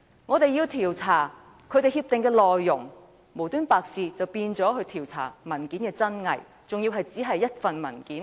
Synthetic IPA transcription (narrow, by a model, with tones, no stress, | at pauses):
ŋɔː˨˧t̪e˨˧jiː˧wt̪ʰiː˨˩wt͡sʰaː˨˩ | kʰɵ˨˧ɥt̪e˨jhiː˧p̚t̪ɪ˨ŋkɛː˧lɔː˨jːʊ˨˩ŋ | mo˨˩wt̪yː˥npaː˨˧k̚siː˨˧t͡sɐ˨wpiː˧nt͡sɔː˨˥hɵ˧ɥt̪ʰiː˨˩wt͡sʰa̰ː˨˩mɐ˨˩nkiː˨˥nkɛː˧t͡sɐ˥nŋɐ˨j | t͡sʊ˨ŋjiː˧wɦɐ˨jt͡siː˨˥ɦɐ˨jːɐ˥t̚fɐ˨nmɐ˨˩nkiː˨˥n